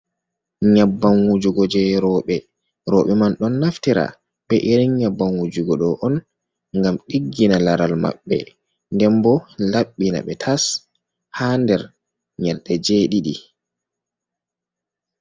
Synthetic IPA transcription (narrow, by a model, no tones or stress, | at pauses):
ɲabːanwud͡ʒuɡɔd͡ʒɛɾɔɓɛ | ɾɔɓɛmanɗɔnːaftiɾa̰ | ɓɛʔiɾiɲabːanwud͡ʒuɡɔɗɔʔɔn | ŋɡamɗiɡːinalaɾalma̰ɓːɛ̰ | ndɛmbɔlaɓːina̰ɓɛtʰas | handɛɾ | ɲalɗɛd͡ʒeːɗiɗḭ